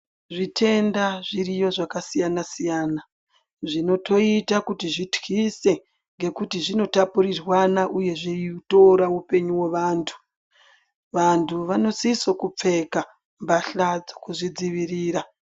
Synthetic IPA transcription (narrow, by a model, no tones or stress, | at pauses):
ʐitʰe̞ndaʐiɾijo̞ʐakasijanasijaːna | ʐino̞tʰo̞itakutiʐitwise̞ | ŋɡe̞kutiʐino̞tapuɾirwanaʔuje̞ʐeiuto̞ɾaupe̞ɲuwe̞ʋaːntʰu̥ | ʋantʰuʋano̞siso̞kup͡fe̞ka | mbaɬad͡zo̥kuʐid͡ziʋiriːɾa